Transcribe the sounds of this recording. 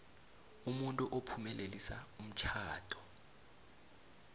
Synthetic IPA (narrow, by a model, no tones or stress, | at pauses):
umuntʼuʔopʰumɛlʔelisaum̩t͡ʃʰaːd̥ʰʱʼɔ̥